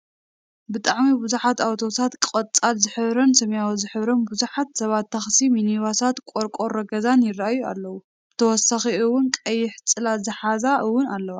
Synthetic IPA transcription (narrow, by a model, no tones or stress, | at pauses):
bɨt̪ʼaʕmibuzuħat̪awt̪ʰo̞t̪ʰat̪kʼɐt͡sʼalzɨħɨβɾɐnsɐmjawozɨħɨβɾɐnbuzuħat̪sɐβat̪ʰːaxsiminiβasat̪kʼoɾkʼo̞ɾɐɡɐzanjɪraajua̰lːɐwu | ɨt̪ʰɐwɔsaxiɨwʊnkʼɐjːɪħt͡sʼɨlazɨħazaʔɨwːʊnalːɐwa